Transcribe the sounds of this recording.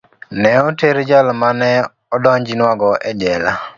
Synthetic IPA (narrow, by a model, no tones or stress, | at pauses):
nɛɔteɾed͡ʒalɔmanɛ | ɔdɔɲd͡ʒinwaɡɔʔɛd͡ʒɛla̰